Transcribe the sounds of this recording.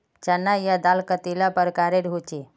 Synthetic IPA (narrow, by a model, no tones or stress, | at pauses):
t͡ʃɐnːajad̪alkət̪ilapəɾkaɾeɾɦut͡ʃi